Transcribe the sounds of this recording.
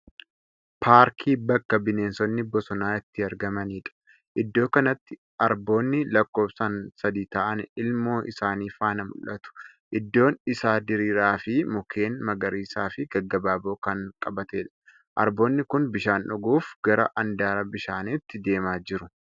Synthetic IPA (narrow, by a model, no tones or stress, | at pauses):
pʰaːɾkʰiːbɐkːɐbɪneːnsɔnːɪbɔsɔnaːɪt̪ːɪɐɾɡɐmɐniːᶑɐ̥ | ʔɪd̪ːo̞ːkɐnɐt̪ːɪ | ɐɾbo̞ːnːɪlɐkːo̞ːbsɐnsɐd̪iːt̪aːʔɐnɪlmo̞ːʔɪsaːniːfaːnɐmʊ̰lʔɐt̪ʊ̥ | ʔɪd̪ːo̞ːnɪsaːd̪ɪɾiːɾaːfɪmʊkʰe̞ːnmɐɡɐɾiːsaːfɪɡɐɡːɐbaːbo̞ːkɐŋkʼɐbɐt̪eːᶑɐ̥ | ʔɐ̰ɾbo̞ːnːɪkʊnbɪʃaːnᶑʊɡuːfɡ̥ɐɾɐ̰ʔɐnd̪aːɾɐbɪʃaːnɪt̪ːɪd̪e̞ːmaːd͡ʒɪɾʊ